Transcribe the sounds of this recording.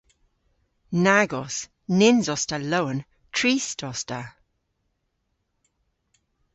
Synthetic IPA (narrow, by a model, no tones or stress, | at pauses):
naɡɔs | nɪnzɔstalowən | tʰɹiːstɔsta